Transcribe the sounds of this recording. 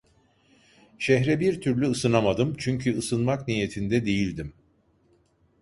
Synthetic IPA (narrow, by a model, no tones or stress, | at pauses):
ʃɛɦɾɛbiɾt̪ʰyɾlʲyɯsɯnamad̪ɯmt͡ʃʰyɲcʰyɯsɯnmaknije̞t̪ʰind̪ɛd̪e̞jilʲd̪im